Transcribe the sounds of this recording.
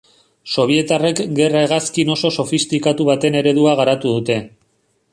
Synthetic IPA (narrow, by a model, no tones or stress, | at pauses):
so̞β̞ie̞t̪arekɡe̞rae̞ɣaskino̞so̞so̞fist̪ikat̪uβ̞at̪e̞ne̞ɾe̞ðuaɣaɾat̪uð̞ut̪e̞